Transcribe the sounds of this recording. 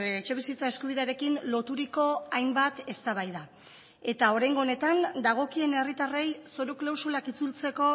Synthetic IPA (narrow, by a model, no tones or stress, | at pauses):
et͡ʃe̞β̞isit͡sae̞skuβiðe̞aɾe̞kinlo̞t̪uɾiko̞ajmbat̪e̞st̪aβajða | e̞t̪ao̞ɾajŋɡo̞ːne̞t̪and̪aɣ̞o̞kie̞ne̞rit̪arejso̞ɾuklawsulakit͡sult͡se̞ko̞